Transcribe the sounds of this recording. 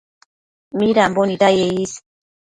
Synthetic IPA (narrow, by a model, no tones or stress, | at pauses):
miɾamboniɾajeis